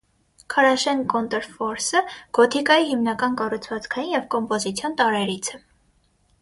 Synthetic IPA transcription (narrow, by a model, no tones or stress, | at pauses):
kʰɑɾɑʃɛnkɔnt̪ɛɾfɔɾsəɡ̥ɔt̪ʰikɑjiɦimnɑkɑnkɑrut͡sʰvɑt͡skʰɑjinjɛvkɔmpɔzit͡sʰjɔnt̪ɑɾɛɾit͡sʰɛ